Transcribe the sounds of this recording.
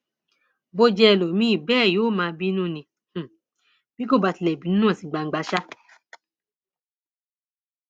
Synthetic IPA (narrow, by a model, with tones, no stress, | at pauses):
bo˧d͡ʒɛ˧ɛ˧lo˨mĩ˦i˦˨bɛː˦˨joː˨˦˨mãː˧˦bi˦nũː˦˨nĩ˧ | h̩˨ | b̥i˦ko˦˨ba˨˧˨ti˨lɛ˨bi˨˦nũ˦nũ˦ã˦˨si˨ɡ͡ba˨˧ŋ̩˦ɡ͡ba˧ʃa˦